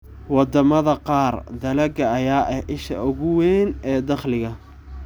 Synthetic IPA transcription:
wɑd̪ɐmɐðɐqɑːrd̪ɐlɐɡɐɐjaːʔɛhʔɪʃɐ̰ʔʊɣʊwɛnɛːd̪ɑχlɪɣɐ

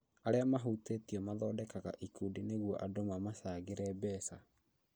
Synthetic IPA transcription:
aɾeamaɦutetiɔmaðɔːdɛkaɣa̰ʔikudineɣwɔʔadomamasaːɣeɾɛbɛsa

